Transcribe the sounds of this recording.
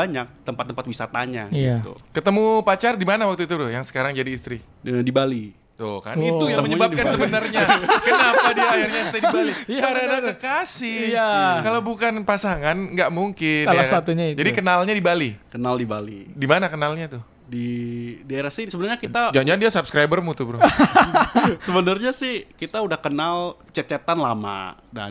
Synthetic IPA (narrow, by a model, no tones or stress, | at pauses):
aɲak̚t̪əmpat̪ːəmpat̪wisat̪aɲa̰iit̪ṵkət̪əmupat͡ʃardimanawak̚t̪uit̪udʊjaŋsə̥kaɾaŋd͡ʒadiːst̪ɾi | ədibali | t̪ʊka̰nit̪ujaŋməɲəbapkansəbənərɲakənapadiaɪrɲast̪adibalikaɾənaɡəkasɪjakalawbukanpasaŋanŋɡaʔmuŋkɪsalasat̪uɲaid͡ʒadikənalɲadibalikənaldiba̰lḭdimanakənalɲat̪ʊ | didaeɾahsɪsəbənarɲakit̪ad͡ʒad͡ʒandiasupskɾabərmut̪ubɾʊ | səbənərɲasɪhkit̪audahkənalt͡ʃət͡ʃɛt̪anla̰ma̰da̰